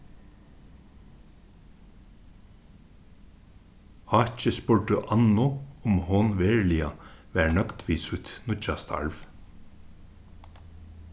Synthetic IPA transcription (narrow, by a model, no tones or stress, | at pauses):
ɑːt͡ʃəspʊɖəʔɑnʊʊmhɔnʋeːɹlɪaʋæːɹɳœɡt̪ʋiːsʊt̪nʊt͡ʃast̪ʰa̰ɹʋ